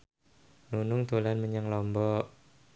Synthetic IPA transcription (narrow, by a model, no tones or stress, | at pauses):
nunʊŋt̪olanməɲaŋlɔmbɔ